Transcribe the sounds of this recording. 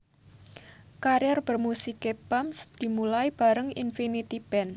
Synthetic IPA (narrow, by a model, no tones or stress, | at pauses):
kaɾjɛrb̥ərmusikebamsd̪̥i̤mulaib̥a̤ɾəŋḭnfinit̪ib̥ɛn